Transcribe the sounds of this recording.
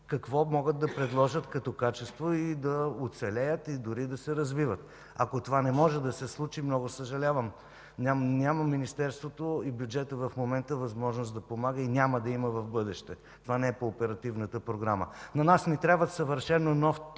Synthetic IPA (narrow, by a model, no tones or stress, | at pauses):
kɐkvɔmɔɡəd̪̚d̪ːɐpɾɛd̪lˠɔʒət̪kɐt̪ɔkat͡ʃɛst̪void̪ɐot̪sɛlʲɛjət̪id̪ʊɾid̪ɐsɛɾɐzvivət̪ | ɐ̰kot̪ovanɛmɔʒɛd̪ɐsɛslˠut͡ʃimnɔɡosəʒɐlʲavəm | nʲanʲaməminist̪ɛɾst̪vot̪oibjud͡ʒɛt̪əvɐfmomɛnt̪əvɐzmɔʒnosd̪ɐpomaɡəinʲaməd̪ɐiməvɐvbɤd̪ɛʃt̪ɛ | t̪ovanɛɛpoːpɛɾɐt̪ivnət̪əpɾoɡɾamə̰nɐnasnɛt̪ɾʲabvəsəvəɾʃɛnːonɔf